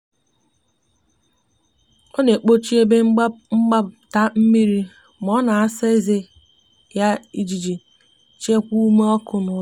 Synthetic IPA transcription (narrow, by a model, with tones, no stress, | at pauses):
ɔ˦ne˨k͡po˦t͡ʃi˦e˦be˦ŋ͡m̩˦ŋ͡m̩˦ɡ͡ba˦bta˦m̩˦mi˦ɾi˦ | m˨ɔ˦na˨a˦sa˦i˦ze˦ | ja˦i˦d͡ʒi˨d͡ʒi˨ | t͡ʃe˦kʷu˦u˦me˦ɔ˦kʊ˦nʊ˨˦